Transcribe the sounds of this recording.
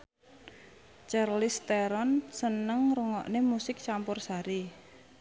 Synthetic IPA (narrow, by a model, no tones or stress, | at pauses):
t͡ʃarlɪst̪eɾɔnsənəŋɾuŋɔʔnemusɪk̚t͡ʃampʊrsaɾi